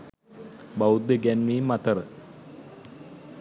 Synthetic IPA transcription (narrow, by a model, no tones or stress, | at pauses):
bawud̪ːeɡænʋiːmːat̪əɾə